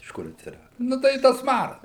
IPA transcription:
ɪʃ ˈkʊr ɐtʲsʲɪˈrɑːdʊ ˈnʊ tɐɪ ɪ ˈtɐs ˈmɑːrɐs

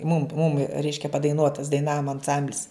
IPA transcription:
mʊm mʊm ˈrʲɛɪʃʲkʲɛ pɐdɐɪˈnuɔtɐs dɐɪˈnɑːʋoːm ɐnˈsɐmʲbʲlʲɪs

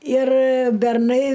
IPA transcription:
ɪr bʲɛrˈnɐɪ

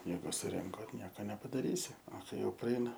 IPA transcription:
ˈjɛɪɡʊ sʊˈrʲɪŋkoː ˈnʲiɛkɐ nʲɛpɐdɐˈrʲiːsʲɪ oː ˈkɐɪ ˈjɛʊ prɐˈɛɪnɐ

